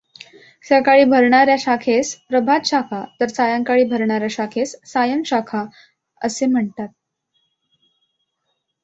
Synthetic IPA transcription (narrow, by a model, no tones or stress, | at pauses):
sakaɭiːbʱəɾɳaɾjaɕakʰespɾəbʱat̪ɕakʰat̪əɾt͡sajãŋkaɭiːbʱəɾɳaɾjaɕakʰesːajəmɕakʰa | ə̰sem̤əɳt̪at̪̚